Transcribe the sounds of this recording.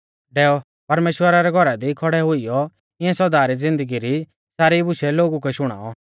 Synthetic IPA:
ɖɛːɔ | pɐɾmeːʃwəɾaɾɛɡʱɔɾad̪ikʰɔɽɛɦʊijɔ | ɪ̃ɛ̃sɔd̪aːɾid͡zɪ̃nd̪əɡiɾi | saːɾibʊʃɛloːɡuk̬ɛʃʊɽ̃a̰ːɔ

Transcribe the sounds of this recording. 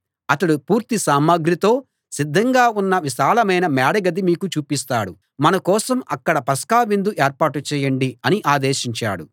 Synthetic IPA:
ɐt̪ɐɽupuːɾt̪isaːmɐɡɾit̪o̞ː | sid̪ʱːɐŋɡaːunːɐʋiʃaːlɐmɐjnɐmaːɽɐɡɐd̪imiːkut͡ʃuːpist̪aːɽu | mɐnɐkɔːsɐmɐkːɐɽɐpɐskaːʋind̪uʔeːɾpaːʈut͡ʃɛːjɐɳɖiɐniʔaːd̪eːʃiɲt͡ʃa̰ːɽu

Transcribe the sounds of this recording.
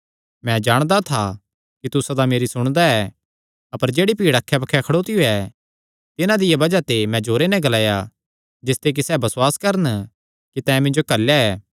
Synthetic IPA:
mɛ̃d͡ʒaːɽ̃d̪at̪ʰa | kit̪ʊsad̪ameːɾisʊɽ̃d̪aɛː | ɐpəɾd͡ʒeːɽipiːɽɐkʰːɛbɐkʰːɛkʰɐɽoːt̪ijoɛ | t̪ɪnãd̪ɪjabɐd͡ʒat̪emɛ̃d͡ʒoːɾenɛ̃ɡɐlaːja | d͡ʒɪst̪ek̬isɛːbɐswaːskɐɾən | kit̪ɛ̃ːmɪ̃ɲd͡ʒokɐljaɛː

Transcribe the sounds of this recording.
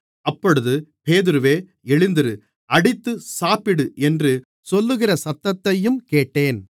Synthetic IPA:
ɐpːɔɽɯðɯpeːðɪɾɯʋeː | ɛɭɪnd̪ɪɾɯ | ɐɽɪt̪ːɯsaːpɪɽɯʔɛndrɯ | sɔlːɯɣɪrɐsɐt̪ːɐt̪ːɐjɯmkeːʈːeːn

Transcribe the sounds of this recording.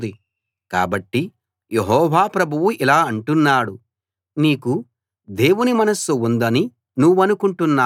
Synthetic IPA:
d̪i | ka̰ːbɐʈːi | jeɦɔːʋaːpɾɐbʱuʋuʔilaːɐɳʈunːaːɽu | niːku | d̪e̞ːwunimɐnɐsuund̪ɐni | nuʋːɐnukuɳʈunːaː

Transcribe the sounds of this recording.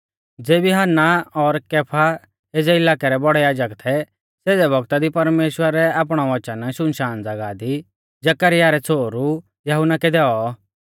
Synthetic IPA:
d͡zeːbiɦaːnːaɔɾkeːpʰa | eːd͡zɛɪlaːkɛɾɛbɔɽɛjaːd͡ʒəkt̪ʰɛ | seːd̪ɛbʱɔɡt̪ad̪ipɐɾmeːʃwəɾɛaːp̬ɽ̃ɔʋɔt͡ʃanaʃʊnʃaːnd͡zɐɡad̪i | d͡ʒɐkəɾɪjaɾɛt͡sʰoːɾu | jɐɦʊnakɛd̪ɛɔ

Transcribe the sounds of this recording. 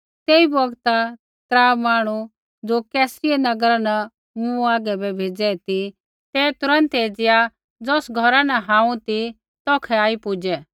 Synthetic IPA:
t̪eːibɔɡt̪a | t̪ɾaːmaːɽ̃u | d͡zoːkɛːsɾɪɛnɐɡɾana | mũaːɡɛbɛbʱeːd͡zɛt̪i | t̪ɛːt̪ʊɾə̃nt̪eːd͡zɪja | d͡zɔːsɡʱɔɾanaɦãːũt̪i | t̪ɔːkʰɛaːipʊd͡ʒɛ

